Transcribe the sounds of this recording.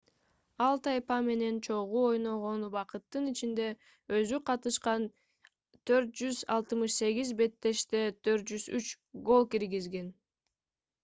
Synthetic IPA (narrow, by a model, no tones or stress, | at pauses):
ɑlˠt̪ʰɑjpɑme̞ne̞nt͡ʃʰo̞ʁuo̞jno̞ʁo̞nubɑqɯt̪ːɯnit͡ʃind̪e̞ | øzyqʰɑt̪ɯʃqɑn | t̪ʰø̞ɾt̪̚d͡ʒyzɑ̰lˠt̪ɯmɯʃse̞ɡizbe̞t̪ːe̞ʃt̪e̞t̪ʰø̞ɾt̪̚d͡ʒyzyt͡ʃ | ɡo̞lˠkiɾɡizɡe̞n